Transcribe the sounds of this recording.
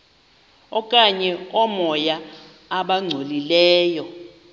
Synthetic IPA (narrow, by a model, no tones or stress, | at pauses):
ɔkʼaɲɛɔmɔjaː | ɓaŋ͡ǀʱolilɛːjɔ